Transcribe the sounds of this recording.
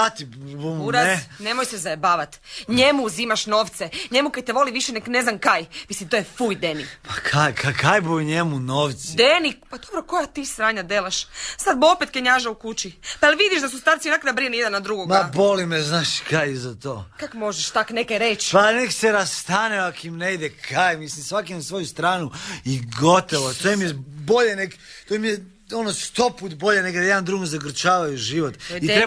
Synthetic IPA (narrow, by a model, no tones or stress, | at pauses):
at̪ibumuɾanemojsezaebaːʋat̪ɲe̞muːzimaʃno̞ːʋt̪seɲemukad̪̚t̪eʋo̞liʋiʃenekneznamkajmisimt̪o̞jefujd̪enikpakʰajkʰakʰajbujɲemunoʋt̪sid̪enikpad̪obɾoko̞jat̪iːsɾaːɲad̪eleʃsad̪̚bopet̪keɲaʒaukut͡ɕipaelʋid̪iʃd̪asust̪aːɾsionakad̪abɾinejed̪anːad̪ɾuɡoɡmabo̞limeznaːʃkajizat̪oːkakmoʒeʃt̪aknekeɾet͡ʃpanekseɾast̪aːneakoimneid̪ekʰajmislimsʋakinasʋo̞just̪ɾaːnuiɡot̪oʋot̪ojmijebo̞ʎenekt̪omije | onost̪o̞puːt̪bo̞ʎeneɡd̪ajed̪and̪ɾuːɡozaɡɾ̩t͡ʃaːʋajuʒiʋot̪it̪ɾe